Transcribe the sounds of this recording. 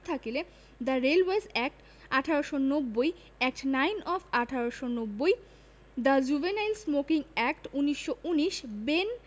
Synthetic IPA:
t̪ʰakele | d̪aɾelwesɛk̚ʈ | aʈʰaɾoʃonobːoj | ɛk̚ʈnajnɔfʰaʈʰaɾoʃonobːoj | d̪ad͡ʑubenajlsmokiŋɛkʈuniʃːoʔuniʃben

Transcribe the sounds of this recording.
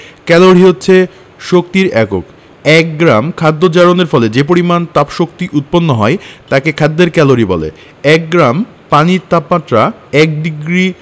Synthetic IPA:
kɛloɾiɦotːɕʰe | ʃok̚t̪iɾɛko̰k | ɛk̚ɡɾamkʰad̪ːod͡ʑaɾoneɾfɔled͡ʑep̬oɾimant̪apʃok̚t̪iʔut̪̚ponːoɦɔet̪akekʰad̪ːeɾkɛloɾibɔlḛ | ɛk̚ɡɾam | paniɾt̪apmat̪ːɾa | ɛk̚d̪iɡɾi

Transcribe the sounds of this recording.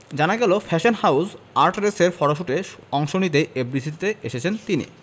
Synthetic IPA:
d͡ʑanaɡɛlofʰɛʃonhaws | aɾʈɾeseɾfɔɽaʃ̬uʈeɔŋʃonit̪eebɾisit̪eeʃet͡ɕʰent̪inḭ

